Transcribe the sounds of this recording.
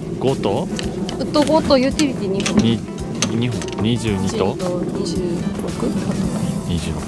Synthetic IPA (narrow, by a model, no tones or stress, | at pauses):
ɡ̥ot̪oɯt̪ːoɡot̪ojɯt̪ʲiɾit̪ʲiɲiɦõɲi | ɲiɦõɲiʑɨːɲit̪ot̪oɲid͡ʑɨːɾokɯ̟ot̪oɲid͡ʑɨɾok